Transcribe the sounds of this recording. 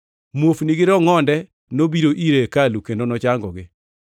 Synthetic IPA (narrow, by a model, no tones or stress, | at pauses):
mwofniɡɪɾɔŋɔndɛ | nobiɾoʔiɾekalukendonɔt͡ʃaŋɡɔɡɪ